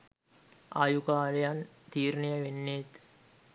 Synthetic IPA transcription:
ʔajukaːlejant̪iːɾnijəʋenːet̪

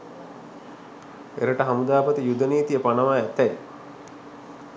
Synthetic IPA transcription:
ḛɾəʈəɦamud̪aːpət̪əjud̪əniːt̪ijəpanəʋaːɛt̪æji

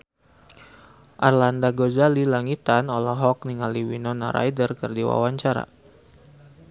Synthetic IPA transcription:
ʔarlandaɡozalilaŋit̪anɔlaɦɔk̚niŋaliwinɔnaɾa̰jdərkərdiwa̰waɲt͡ʃaɾa̰

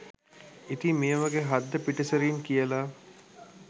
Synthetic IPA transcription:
it̪imijəʋaɡeɦad̪ːəpiʈɐsɐɾiːŋkijəlaː

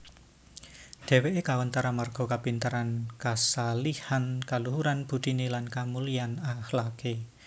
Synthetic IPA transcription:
d̥e̤weʔekawənt̪aɾamarɡ̥o̤kapint̪əɾankasalihankaluɦuɾanb̥ṳd̪̥inelankamulianahlake

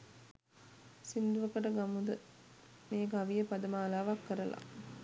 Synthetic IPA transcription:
sind̪uʋəkəʈəɡamud̪ə | meːɡaʋijəpad̪əmaːlaːʋakːəɾəla̰

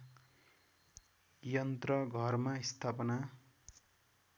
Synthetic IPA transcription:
jʌnt̪rʌɡʱʌrmaist̪ʰapʌna

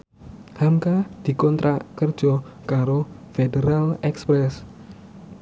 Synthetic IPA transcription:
hamkad̪̥i̤kɔnt̪ɾʔakərd̥d͡ʒ̥ɔkaɾofedəɾalɛkspɾɛs

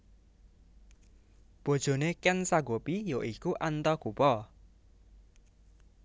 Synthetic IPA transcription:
b̥o̤d̥ʒ̥o̤nekɛnsaɡopijoʔikuʔant̪ɔɡ̥upɔ

